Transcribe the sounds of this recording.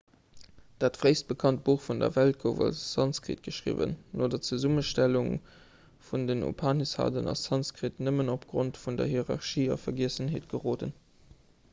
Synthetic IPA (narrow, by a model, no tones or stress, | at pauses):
d̥aːtfʁeɪst̚b̥əkʰɑnt̚b̥uːχfundɐ̰vælt̚kʰovɑ̰lsɑnt͡skʁḭt̚ɡ̥əʃʁḭvə̰nːoːdɐt͡suzuməʃtæluŋ | fundənṵpʰaːnisha̰ːdənɑ̰ssɑnskʁitnəmənopɡ̥ʁontfundɐ̰ɦiʁɑʁʃiːɑ̰fɐɡiəsəneːtɡ̥əʁoːdən